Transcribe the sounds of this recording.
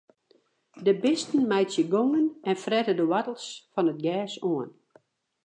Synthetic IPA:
dəbɪstn̩mɛjtsjəɡoŋənɛnfrɛtədəwatəl̩ˠsfɔnət̚ɡɛːsoən

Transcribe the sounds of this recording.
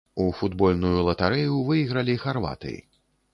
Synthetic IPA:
ufud̪bɔlʲnujulˠɐt̪aɾɛjuvɨjiɣɾɐlʲixarva̰t̪ɨ̰jḭ

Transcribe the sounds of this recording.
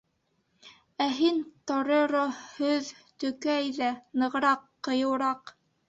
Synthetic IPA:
æɦint̪ŏɾɤ̆ɾohɵð | t̪ɵ̆kæjðænɤ̆ʁɾɑqːɤ̆jɤ̆wɾɑq

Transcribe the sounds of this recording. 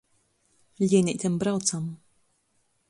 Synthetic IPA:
lʲiːnʲiʔt̪ʰʲɛmbɾawt̪sam

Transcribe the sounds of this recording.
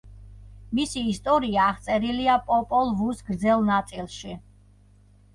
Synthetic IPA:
misiːst̪ʼɔɾiaːʁt̪sʼɛɾiliapʼɔpʼɔlˠvusɡɾd̪zɛlˠnat̪sʼilˠʃi

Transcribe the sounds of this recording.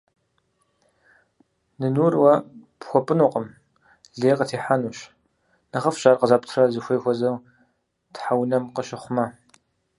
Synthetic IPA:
nɨnuːrwɐpxʷɔpʼɨnuqʼəm | ɮeːqʼətʰeːħanuːɕ | nɐχɐfɕʼaːrqəzaːptʰrɐzɨxʷeːjxʷɔzɐw | tħawnɐmqəʃɪχʷʊmɐ

